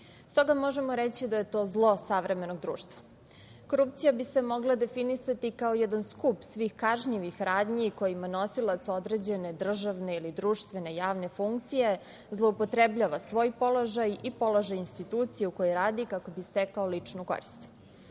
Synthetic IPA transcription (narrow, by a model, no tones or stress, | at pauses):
st̪o̞ɡamo̞ʒe̞moɾet͡ɕid̪aje̞t̪o̞ːzlˠo̞saʋɾe̞me̞noɡd̪ɾṵːʃt̪ʋḁ | ko̞ɾup̚t̪sijabisemo̞ɡlˠad̪e̞finisat̪ikaojɛd̪anskupsʋiːxkaʒɲiʋixɾaːd̪ɲiko̞jimano̞silˠat̪so̞d̪ɾe̞d͡ʑe̞ne̞d̪r̩ʒaʋne̞ilid̪ɾuːʃt̪ʋe̞ne̞jaːʋne̞fuŋkt̪sije̞ | zlˠo̞upot̪ɾebʎaːʋasʋo̞ːjpo̞lˠo̞ʒajipo̞loʒajinst̪it̪uːt̪sijeuko̞jeɾaːd̪ikako̞bist̪ekaolit͡ʂnuko̰ɾist̪